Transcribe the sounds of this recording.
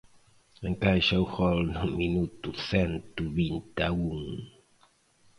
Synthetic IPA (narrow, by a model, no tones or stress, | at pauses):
ẽŋkajʃauxɔlnuminut̪uθɛnt̪uβint̪auŋ